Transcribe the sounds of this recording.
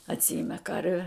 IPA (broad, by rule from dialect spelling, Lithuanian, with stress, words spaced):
ɐtʲˈsʲɪɪmʲɛ ˈkɐrʲʋʲɛ